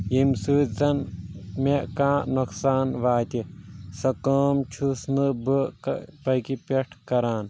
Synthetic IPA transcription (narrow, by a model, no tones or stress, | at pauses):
jimsuːzɐnmeʔkãːnuksaːnʋaːt̪isɐkɐːmt͡ʃʰusnɨbɨkpɐjkipeʈʰkɐɾaːn